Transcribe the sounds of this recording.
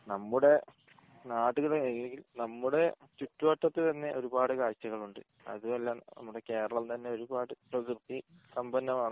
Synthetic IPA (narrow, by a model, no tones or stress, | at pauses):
nɐmːuɽe̞ | naːɽuɣɐɭeeeŋɡilnɐmːuɽe̞ | t͡ɕuʈːuʋɐʈːɐt̪ːɨt̪ɐnːe̞ʔo̞ɾubaːɽɨkaːɻt͡ɕːɐɣɐɭuɳɖɨ̰ | ɐ̰ðuʋɐlːanɐ̰mːuɽe̞ke̞ːɾɐɭɐlt̪ɐnːe̞o̞ɾubaːɽɨprɐɡrt̪ːi | sɐmbɐnːɐmaːɳ